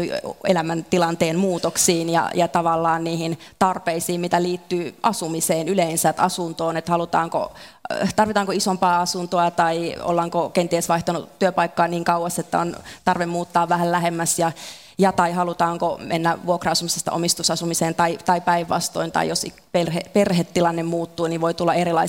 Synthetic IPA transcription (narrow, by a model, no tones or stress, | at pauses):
ḛlæmænt̪ilɑnt̪eːnmuːt̪oksiːnjɑ̰jɑt̪ɑʋɑlːɑːnniːhint̪ɑrpeisiːmmit̪æliːt̪ːyːʔɑsumiseːnyleinsæt̪ɑsunt̪oːnet̪hɑlut̪ɑ̰ːŋko̰t̪ɑrʋit̪ɑːŋkoisompɑːɑsunt̪oɑt̪ɑio̰lːɑŋkokent̪iesʋɑiht̪ɑnut̪ːyøpɑikːɑːniːŋkɑuʋɑst̪et̪ːæ̰o̰nt̪ɑrʋemmuːt̪ːɑːʋʋæhællæhemːæsjɑ | jɑt̪ɑihɑlut̪ɑːŋkomʔḛnːæʋuokrɑɑsumisest̪ɑ̰ʔo̰mist̪usɑsumiseːnt̪ɑit̪ɑipæiʋːɑ̰st̪o̰int̪ɑ̰ḭjosi | perheperhet̪ːilɑnːemmuːt̪ːuːniʋoit̪ulːɑerilɑi